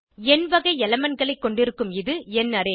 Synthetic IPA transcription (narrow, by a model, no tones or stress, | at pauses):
ɛnʋɐɣɐɪɛlɐmɐnɡɐɭɐɪkːɔɳɖɪɾɯkːɯmɪðɯɛnːɐɾeː